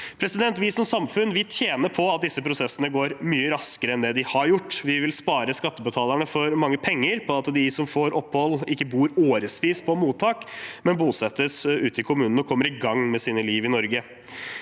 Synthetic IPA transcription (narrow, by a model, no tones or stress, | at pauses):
pʰɾɛsɪd̪ɛnt̪ʋɪsɔmsɑmfʉnʋɪlt̪ʰjeːnəpʰɔɑt̪̚d̪ɪsːəpʰɾʊsɛsːənəɡoːɾmyːəɾɑskəɾəɛnd̪ɛd̪ɪhɑɾjʊʈːʋɪʋɪlspɑːɾəskɑt̪ːəbət̪ʰɑːləɳəfɔɾmɑŋːəpʰɛŋːəɾpʰɔɑt̪d̪ɪsɔmfoːɾʔɔpːhɔlːɪkːəbuːɾoːɾəsʋiːspʰɔmuːt̪ʰːɑːkmɛnbuːsɛt̪ːəsʉːt̪əɪkʰʊmʉːnn̩ɔkʰɔmːəɾɪɡɑŋmɛsiːnəliːʋɪnɔɾɡə